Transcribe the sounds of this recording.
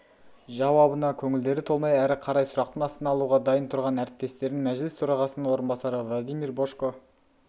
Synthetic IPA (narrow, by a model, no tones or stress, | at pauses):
ʒɑwɑbənɑkʲʰɵŋɪld̪e̞ɾɪt̪ʰo̞lˠmɑjæɾɪqʰɑɾɑjsʊɾɑq̚t̪ənɑst̪ənɑlˠuʁɑd̪ɑjənt̪ʰʊɾʁɑnæɾɪp̚t̪e̞st̪e̞ɾɪŋmæʒlɪst̪ʰʊɾɑʁɑsənəɴwo̞ɾənbɑsɑɾəvlˠad̪ijmiɾboʃko